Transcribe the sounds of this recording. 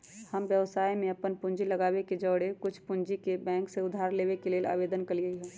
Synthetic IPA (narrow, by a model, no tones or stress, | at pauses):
həmʋjəʋsaːimẽɐpənpʊ̃ɲd͡ʒilɐɡaːweked͡ʒəːɽekʊt͡ʃʰpʊnd͡ʒikebɛ̃ːŋkseʊd̪ʱaːɾleːʋekeleːla̰ːʋeːd̪ənkəliəiɦɛː